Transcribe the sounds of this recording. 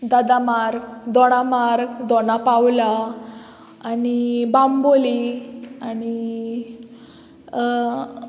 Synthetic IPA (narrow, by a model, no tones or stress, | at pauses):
d̪ad̪amaɾkd̪ɔɽ̃amaɾɡd̪ɔnapawlaː | nibamboliañi